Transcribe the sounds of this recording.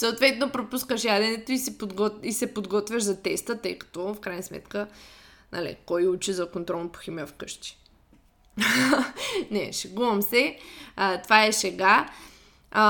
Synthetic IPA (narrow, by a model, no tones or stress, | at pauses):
səot̪vɛt̪nopɾopuskəʃjad̪ɛnɛt̪oisɛpod̪ɡɔisɛpod̪ɡɔt̪vʲjəʃzɐt̪ɛst̪ət̪ɤjkɐ̥t̪ɔfkɾajnəsmɛ̰t̪kə | nʔɐ̰lḭkɔjut͡ʃizɐkont̪ɾɔlˠpo̥xʲiməfkɤʃt̪i̥ | nɛʃɛɡumɐmsɛ | t̪ovaɛsɛɡa